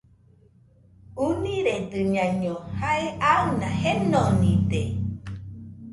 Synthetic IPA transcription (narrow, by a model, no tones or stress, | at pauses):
unĩɾed̪ɨɲãɲõhaeʔaɯnahenonĩd̪e